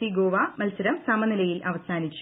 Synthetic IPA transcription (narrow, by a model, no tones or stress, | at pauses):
iɡoːʋaːmɐlsɐɾɐmsɐmɐnilɐjilʔɐʋɐsaːnit͡ɕːu